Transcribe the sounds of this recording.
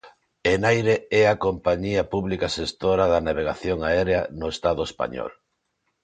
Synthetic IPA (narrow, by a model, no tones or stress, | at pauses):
enajɾeɛakompaɲiɐpuβlikasest̪oɾaðanaβ̞eɣaθjoŋaɛɾeanʊest̪aðʊespa̰ɲɔ̰l